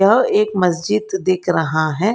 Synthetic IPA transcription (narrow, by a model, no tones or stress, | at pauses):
ɐɦeːkmɐsd͡ʒɪd̪ːeːkʰɾɐɦaɦɛ̃ː